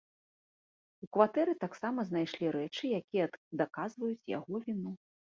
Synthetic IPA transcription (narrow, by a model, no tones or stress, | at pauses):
ukvat̪ɛɾɨt̪aksamɐznajʂlʲiɾɛt͡ʂɨjakʲijɛd̪ɐkazvɐjut͡sʲja̰ɣɔvʲinu